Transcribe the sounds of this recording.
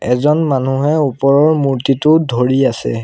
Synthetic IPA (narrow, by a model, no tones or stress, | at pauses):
ɛzɔnmanuɦɛupɔɹɔɹmuɹtitʊdʱoɹiasɛ̰